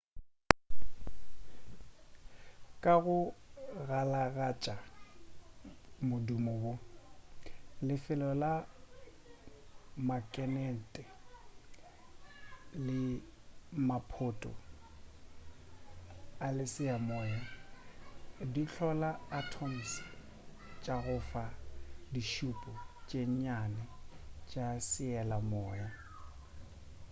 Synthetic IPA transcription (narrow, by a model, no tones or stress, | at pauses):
kʼaɣʊɣalaɣat͡ʃʼa | mʊdumɔwʊ | lɪfɪlɔla | makʼɛnɛn̩tʼɛ | lɪ | mapʰotʼɔ̰ | alɪsɪamɔːja | dit͡ɬʰɔlaːtʰɔm̩s | t͡ʃʼaɣʊfadiʃupʼɔt͡ʃʼeɲɲanɛt͡ʃʼasɪɛlamɔːja